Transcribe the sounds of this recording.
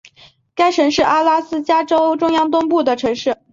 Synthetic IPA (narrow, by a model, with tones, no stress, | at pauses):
ka˥ɪʂɤ˧˥ŋʂɻ̩˥˩ʔa˥la˥sɹ̩˥t͡ɕja˥ʈ͡ʂo˥ʊʈ͡ʂʊ˥ŋjɑ˥ŋt̪ʊ˥ŋpu˥˩d̪ə˩ʈ͡ʂʰɤ˧˥ŋʂɻ̩˥˩